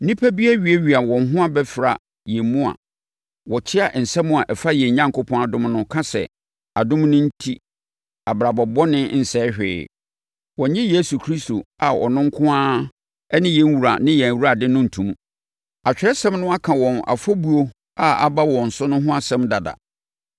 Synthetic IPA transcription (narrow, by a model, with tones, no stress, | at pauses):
nĩ˦pʰæ˦bi˦a˦ɥi˨˦e˦ɥi˨a˨wɔ̃˨nɦʊ̃˦a˦bɛ˦fɾa˨ | jɛ˨mũ˦a̰˨ | wɔ˨t͡ɕʰɪ˦a˨ʔn̩˨sɛ̃˦mʊ̃˦a˨ʔɛ˨fa˦jɛ̃˨ɲã˦ŋkʊ˦pʰɔ̃˦a˨dʊ̃˦mnʊ̃˦kʰã˦sɛ̰˨ | a˨dʊ̃˦m˦nʊ̃˦n̩˦tʰi˦ | a˨bɾa˨bɔ˨bɔ˦nɪ̃˦n̩˨sɛː˦hᶣɪ̰ː˨ | wɔ̃˨ɲɪ̃˦je˦su˨kʰɾi˦sto˨a˨ɔ̰˨nʊ̃˦ŋ̩˦kʰʊ̃˦ãː˦ | ɛ˦nɪ̃˦jɛ̃˨n˦wu˨ɾa̰˨nɪ̃˦jɛ̃˨wu˦ɾa˨dɪ˦nʊ̃˦n̩˨tʰũ˨m̃˦ | a˨t͡ɕᶣɾɛ˦sɛ̃˦mnʊ̃˦a˦kʰã˨wɔ̃˨na̰˨fo˦bu˦o˦ | a˨a̰˨ba˦wɔ̃˨n̩˨sʊ˦nʊ̃˦ɦʊ̃˦a˨sɛ̃˦mda˨da̰˨